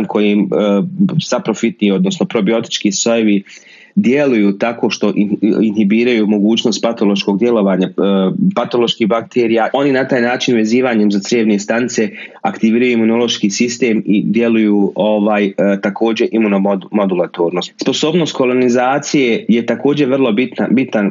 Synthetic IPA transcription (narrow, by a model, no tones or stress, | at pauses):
nkʰo̞jim | sapɾo̞fit̪niːo̞d̪no̞sno̞pɾo̞bio̞t̪i̥t͡ʃkiːso̞jeʋi | d̪je̞lujuːt̪ako̞ːʃt̪o̞ʔiinɦibiːɾajuːmo̞ɡuːt͡ɕno̞st̪̚pat̪o̞lˠo̞ʃko̞ɡ̚d̪je̞lo̞ʋaːɲapat̪o̞lo̞ʃkiɦbakt̪ʰeːɾijao̞ninat̪aːjnaːt͡ʃinʋe̞ziːʋaːɲe̞mzat̪sɾʎeʋneest̪anit̪se̞akt̪iʋiːɾajuimuno̞lo̞ʃkiːsist̪e̞ːmid̪je̞lujuːoʋaːjt̪akʰo̞ːd͡ʑe̞ʔimunomo̞d̪ulˠat̪oːɾnosspo̞so̞ːbno̞st̪ko̞lˠo̞nizaːt̪sije̞je̞t̪ako̞ːd͡ʑe̞ɾʋrlˠo̞bit̪nabit̪nan